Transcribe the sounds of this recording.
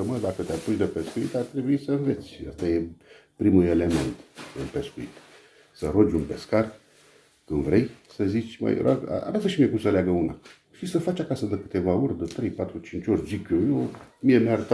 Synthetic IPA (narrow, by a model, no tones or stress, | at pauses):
əməd̪akət̪eaput͡ʃd̪əpe̞skuḭt̪art̪ɾe̞buisəɨnve̞t̪sʲa̰st̪aje̞pɾimule̞le̞me̞̰nt̪ɨnpe̞skuit̪ | səɾo̞d͡ʒʲunpe̞skar | kɨnvɾe̞jsəzit͡ʃʲmə̰j̰ɾʔo̰ɡa̰a̰vasəʃimiekumsəleaɡəuna̰ | ʃisəfat͡ʃʲakasəd̪əkɨ̥t̪e̞vao̞rʲd̪ət̪ɾe̞jpat̪ɾut͡ʃint͡ʃʲo̞rʲd͡ʒikʲojomiemeaɾət̪a